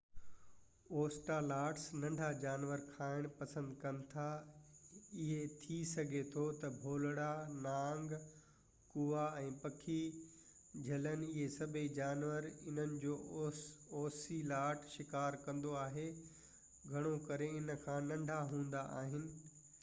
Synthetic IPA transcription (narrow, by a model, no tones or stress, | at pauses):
oːsʈalaːʈsnɐ̃ɳɖʱad͡ʑaːnʋəɾkʰaːɪɽ̃pɐsə̃nd̪kɐnɪ̆t̪ʰa | ɪɦet̪ʰisɐɡʱet̪ʰot̪ɐbʱoːlɽanãːŋɡ | kuːaɛ̃ːpɐkʰi | d͡ʑʱɐlənɪɦesɐbʱed͡ʑaːnʋəɾɪnənɪ̆d͡ʑoː | ɔːsilaːɾʈʰʃɪkaːɾkɐ̃nd̪oaːɦe | ɡʱɐɽ̃okɐɾeɪnəkʰãːnɐ̃ɳɖʱaɦũːnd̪aʔa̰ːɦɪnɪ̆